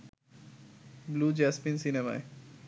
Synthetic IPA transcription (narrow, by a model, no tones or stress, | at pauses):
blud͡ʑɛspinsinema̰e